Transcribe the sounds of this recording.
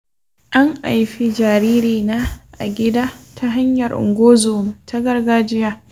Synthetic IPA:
ʔa˦ŋʔa̰˨jɸi˦d͡ʒaː˨ɾiː˦ɾiː˨naː˦ʔa̰˨ɡʲɪ˦daː˦tʰa˦ɦa˦ɲjɐ˨rʔʊ̰˨ŋɡʷoː˦zoː˨mtʰa˦ɡɐ˦rɡaː˦d͡ʒɪ˦jaː˦

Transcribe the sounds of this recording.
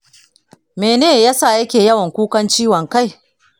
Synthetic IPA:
meː˨neː˦jaː˦sa˦˨jɐ˦kʲeː˨jɐ˦wɐ˨ŋkʷuː˦kɐ˦nt͡ʃiː˦wɐ˨ŋka˦˨j

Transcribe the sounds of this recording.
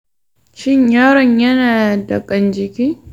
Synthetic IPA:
ʃɪ˦ɲjaː˦ɽɔ˨ɲjɐ˦naː˨da˨kʼɐ˨nd͡ʒɪ˨kʲiː˦

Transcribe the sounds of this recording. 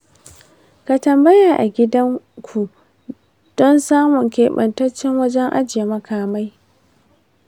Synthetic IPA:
ka˨tɐ˨mbɐ˦ja˨ʔa˨ɡʲɪ˦dɐ˦ŋkʷʰu˨ | d̥ɔ˦nsaː˦mʊ˨ŋkʲeː˨ɓɐ̰˨ntɐ˦t͡ʃːɪ˦ŋwɐ˦d͡ʒɛ˦ŋʔa̰˦d͡ʒɪ˨je˨mɐ˨kʰaː˨ma˦j

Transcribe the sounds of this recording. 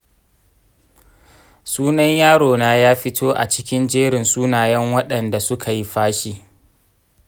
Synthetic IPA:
suː˦nɐ˦ɲjaː˦ɽoː˨naː˦jaː˦ɸɪ˦tʰoː˦ʔa̰˨t͡ʃɪ̥˦kʲɪ˦nd͡ʒeː˦ɽɪ˨nsuː˦naː˨jɛ˦ŋwɐ˦ɗɐ˨nda˨sʊ˦kʰa˨ji˦ɸaː˦ʃi˦

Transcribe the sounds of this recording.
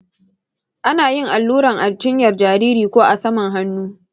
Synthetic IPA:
ʔa˦naː˨jɪ˦ŋʔa˨lːuː˦ɾɐ˨ŋʔa˨rd͡ʒɪ˦ɲjɐ˨rd͡ʒaː˨ɾiː˦ɾiː˨kʷoː˦ʔa˨sɐ˦mɐ˨ŋɦa˦nːuː˦

